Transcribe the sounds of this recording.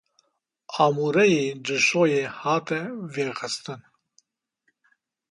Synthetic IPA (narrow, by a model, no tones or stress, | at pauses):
ɑːmuːɾɛjeːdɨʃoːjeːhɑːt̪ɛveːxɨst̪ɨn